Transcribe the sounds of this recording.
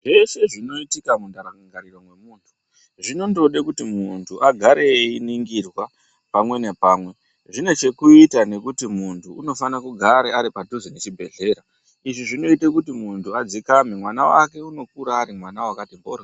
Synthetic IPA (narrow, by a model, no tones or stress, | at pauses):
ʐe̞se̞ʐino̞itikamundaɾaŋɡaŋɡaɾiro̞mwe̞muːntʰu̥ | ʐino̞ndo̞ɗekutimuntʰuʔaɡʱaɾe̞iniŋɡirwa | pamwe̞ne̞paːmwe̞ | ʐine̞t͡ʃe̞kuitane̞kutimuntʰuːno̞fanakuɡʱaɾeaɾipatuzinet͡ʃibʱe̞ɮe̞ːɾa | iʐiʐino̞itekutimuntʰuad͡zikamemwanawa̰ke̞uno̞kuɾaːɾimwanawakatimbo̰ra